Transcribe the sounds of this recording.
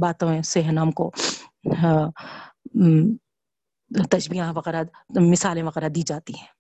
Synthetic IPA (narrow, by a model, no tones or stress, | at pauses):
baːt̪õẽseɦnaːmko | t̪ɐʃbijãʋɐɣɛɾa | mɪsaːlẽʋɐɣɛːɾad̪iːd͡ʒaːt̪iɦɛ̃ː